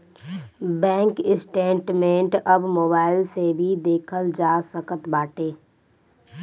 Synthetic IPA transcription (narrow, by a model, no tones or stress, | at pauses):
bɛ̃ːŋkɪsʈẽːɳʈmẽːɳʈɐbmoːbaːɪlsebʱid̪eːkʰəld͡ʒaːsəkət̪baːʈeː